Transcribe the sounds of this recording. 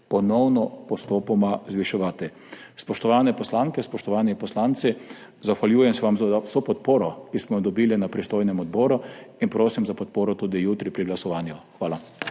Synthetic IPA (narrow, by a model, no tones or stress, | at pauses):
pɔnɔwnɔpɔst̪oːpɔmazʋiʃɛʋaːt̪i | spɔʃt̪ɔʋaːnɛpɔslaːŋkɛspɔʃt̪ɔʋaːnipɔslaːnt̪si | zaxʋaljuːjɛmsɛʋamzawsopɔt̪poːɾɔkismɔjɔd̪ɔbiːlinapɾist̪oːjnɛmɔd̪bɔːɾuinpɾoːsimzapɔt̪poːɾɔt̪uːd̪ijut̪ɾipɾiɡlasɔʋaːnjuxʋaːla